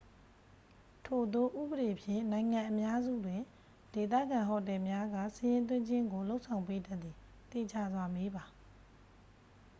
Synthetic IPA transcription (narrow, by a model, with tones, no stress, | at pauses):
tʰo˨d̪o˦˨ʔṵ˦˨bəɾe˨pʰjɪ̰̃˦˨nã˨ɪ̃ŋã˨ʔə˨mja˦zṵ˦˨dwɪ̃˨ | d̥e˨t̪ä̰˦˨ɡã˨ɦɔ˨tɛ˨mja˦ɡa̰˦˨səɪjɪ̃˦nt̪̬wɪ̃˦ɲd͡ʑɪ̃˦ŋɡo˨lo˦ʔsʰã˨ʊ̃pe˦da˦ʔ̪t̪ːi˨ | t̪ḛ˦˨d͡ʑa̰˦˨zwa˦me˦ba˨